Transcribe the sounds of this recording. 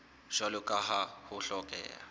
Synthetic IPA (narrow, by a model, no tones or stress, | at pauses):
ʒ̥alʊkʼaɦahʊɬɔkʼɛ̰ːa̰